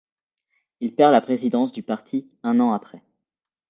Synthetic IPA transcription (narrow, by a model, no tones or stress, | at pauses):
ilpɛʁlapχezid̪ɑ̃s̬d̪ypaʁt̪ʰi | ɛ̃nɑ̃apχɛ